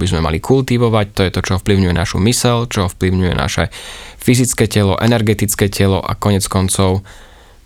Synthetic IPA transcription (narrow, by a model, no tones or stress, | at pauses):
bizmɛma̰likʰult̪iʋɔʋact̪ɔjɛt̪ɔt͡ʃɔɔfpliʊɲujɛna̰ʃumisɛlt͡ʃɔɔfpliʊɲujɛ̰na̰ʃɛfizit͡skɛːcɛlɔ̰ʔɛnɛɾɡɛt̪it͡skɛːcɛlɔʔa̰kɔɲɛt͡skɔnt͡sɔʊ